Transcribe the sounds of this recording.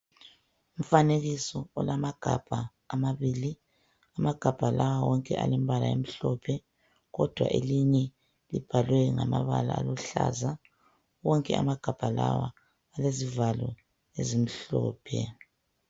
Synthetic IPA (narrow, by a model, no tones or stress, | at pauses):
um̩faneɣisɔɔlamaɡ̥ʱab̥ʱaː | maβiːli | amaɡ̥ʱab̥ʱalawawɔŋkʼɛʔalɛmbʱalajḛm̩ɬɔpʰɛ | ɣɔd̥ʱwa̰ʔeliɲɛ | lib̥ʱalwɛŋamaβalaaluɬa̰za | wɔŋkʼɛa̰maɡ̥ʱab̥ʱalawaː | lezivalɔ | ezim̩ɬɔːpʰɛ